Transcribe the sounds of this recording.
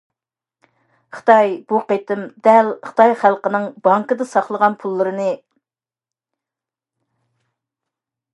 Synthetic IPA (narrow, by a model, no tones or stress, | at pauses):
χɨ̥t̪ʰɑjb̥uqet̪ɪmd̪ɛlχə̥t̪ʰɑjχælˠqənɨŋbɑŋkɨd̪ɨsɑχlˠəʁɑnpʰulˠːɨɾɨnɨ